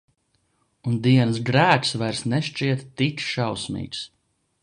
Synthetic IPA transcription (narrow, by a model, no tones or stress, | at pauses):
und̪iɛnsɡɾæːksvajɾsnɛʃt͡ʃiɛt̪ːit͡ʃʃawsmḭːks